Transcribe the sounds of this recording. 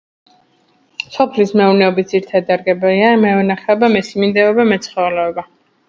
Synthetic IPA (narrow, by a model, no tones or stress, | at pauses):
sɔpʰlismɛunɛɔbit̪̚ziɾt̪ʰad̪aɾɡɛbɛliamɛvɛnaχɛɔbamɛsimind̪ɛɔbamɛt̪sʰχɔɛlɛɔba